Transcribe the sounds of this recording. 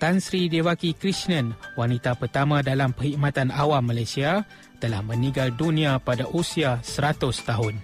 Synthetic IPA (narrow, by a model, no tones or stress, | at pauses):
t̪ansɾidewakikɾisnə̃nwanĩt̪apərt̪amãdalampəhimãt̪anawamːalajsia | t̪əlahmə̃nĩŋɡaldunĩapadaʔusiasəɾat̪ʊst̪aɦʊn